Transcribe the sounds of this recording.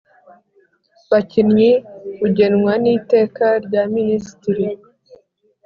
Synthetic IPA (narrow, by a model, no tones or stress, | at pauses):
βacinɲikuɟe̞nŋwaniːte̞ːkaɾɟaminisi̥tiɾi